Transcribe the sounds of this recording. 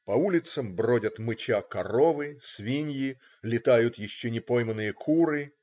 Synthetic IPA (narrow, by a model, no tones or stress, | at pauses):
pɐulʲɪt̪səmbrodʲət̪mɨt͡ɕakɐro̞vɨsvʲinʲjɪ | lʲɪt̪ajʊt̪jɪɕːonʲɪpo̞jmənːɨjəkʰuɾɨ